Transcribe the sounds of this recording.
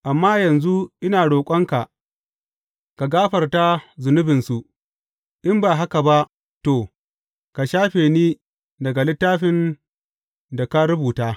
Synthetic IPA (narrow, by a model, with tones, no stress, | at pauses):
ʔa˨mːaː˦jɐ˨nzu˦ʔɪ˦naː˨ɽoː˨kʷʼɔ˦ŋka˨ʔ | ka˨ɡaː˦ɸɐ˨rta˦zʊ˨nʊ˦bɪ˨nsu˨ʔ | ʔɪ˦mbaː˨ɦa˦ka˨ba˦ʔ | toː˨ | ka˨ʃaː˦ɸeː˨niː˦ | dɐ˨ɡa˨lɪ˦tːaː˦ɸɪ˦n | da˨ka˦ɾʊ˦buː˨taː˦